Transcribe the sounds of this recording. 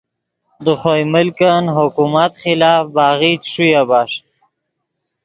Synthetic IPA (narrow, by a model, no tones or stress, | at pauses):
d̪əχojmʊlkanɦʊkumat̪χɪlaːfbɑɣit̪ʂujabaʂ